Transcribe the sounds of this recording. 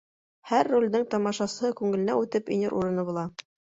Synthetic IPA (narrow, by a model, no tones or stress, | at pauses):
hæɾːulʲd̪ɘŋt̪ɑmɑʃɑsɤ̆hɤkʉŋɘ̆lɘ̆næʉt̪ɘpḭ̆nɘɾʔuɾɤ̆nɤbulˠɑ